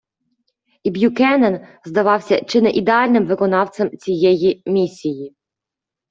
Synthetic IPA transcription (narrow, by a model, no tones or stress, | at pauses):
ibjukɛnɛnzd̪ɐʋɑwsʲɐt͡ʃɪnɛʔid̪eɑlʲnɪmʋɪkɔnɑwt̪sɛmt͡sʲijɛjimʲisʲiji